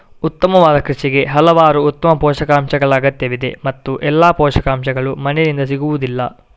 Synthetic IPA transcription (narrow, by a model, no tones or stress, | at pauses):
ut̪ːɐmɐʋaːd̪ɐkɾuʃiɡe̞ɦɐlɐʋaːɾuːt̪ːɐmɐpɔːʃɐkaːmʃɐɡɐɭaːɡɐt̪ːjɐʋid̪e̞̰mɐt̪ːuʔɛlːaːpɔːʃɐkaːmʃɐɡɐɭumɐnɛd̪ind̪ɐsiɡuʋud̪ilːɐ̰